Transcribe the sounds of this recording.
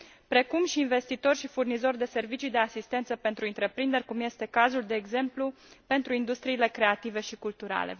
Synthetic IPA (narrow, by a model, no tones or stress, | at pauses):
pɾe̞kumʃiːnve̞st̪it̪o̞rʲʃifurnizo̞rʲd̪e̞se̞rvit͡ʃid̪e̞asist̪e̞nt̪səpe̞nt̪ɾuint̪ɾe̞pɾind̪e̞rʲkumje̞st̪e̞kazuld̪e̞ːɡze̞mplu | pe̞nt̪ɾuind̪ust̪ɾiːle̞kɾe̞at̪ive̞ʃikult̪uɾa̰le̞̰